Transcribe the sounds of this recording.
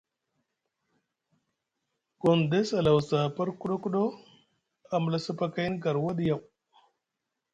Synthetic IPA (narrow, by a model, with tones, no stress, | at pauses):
ɡo˨nd̪e˦sa˨la˨wsa˨pa˦ɾku˦ɗo˦ku˦ɗo˦ | a˨m˨la˨sa˦pa˦ka˦jn˦ɡa˨ɾwa˦di˦ja˨w